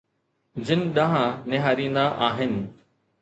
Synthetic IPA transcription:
d͡ʑɪnɪɗɐ̃ɦãnɪɦaːɾĩːnd̪aʔaːɦɪnɪ̆

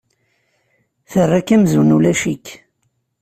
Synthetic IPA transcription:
θərːakæmzunulæʃikː

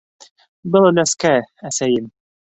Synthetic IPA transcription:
bɤlˠɵnæskææsæjɘm

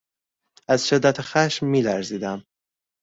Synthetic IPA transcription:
æzʃed̪ːæt̪ʰxæʃmːiːlæɾziːd̪æm

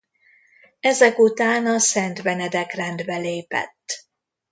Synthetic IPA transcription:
ɛzɛkut̪aːnɒsɛnt̪vɛnɛd̪ɛkrɛnd̪bɛleːpɛ̰t̪ː

